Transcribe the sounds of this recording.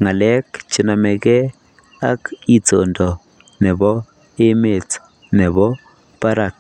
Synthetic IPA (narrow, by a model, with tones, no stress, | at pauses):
ŋa˨lɛ˦kt͡ʃi˨na˨mɛ˨kɛ˦ | a˦ki˨t͡so˨ndɔ˨ | nɪ˨bɔ˦ | e˦me˨t͡s | nɛ˨βɔ˦ | pa˦ɾa˨k̚